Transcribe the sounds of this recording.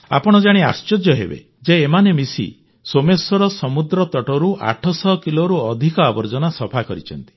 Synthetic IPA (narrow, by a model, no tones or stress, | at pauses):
a̰pɔɽ̃ɔd͡ʒaɽ̃ia̰st͡ʃɔd͡ʒjɔɦḛbḛ | d͡ʒeːmanemisḭ | somesɔɾɔsɔmud̪ɾɔt̪ɔʈɔɾuʔa̰ʈʰɔsɔːkiloɾuɔd̪ʱikɔabɔɾd͡ʒɔnasɔpʰakɔɾit͡ʃʰɔnt̪i̥